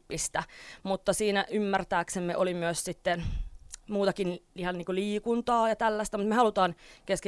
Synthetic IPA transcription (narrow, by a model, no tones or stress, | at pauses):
pːist̪æmut̪ːɑsiːnæʔymːært̪æːksemːeʔolimyøssit̪ːenmuːt̪ɑkinlihɑnniːŋkuliːkunt̪ɑːjɑt̪ælːæst̪æmut̪mehɑlut̪ɑːnkesk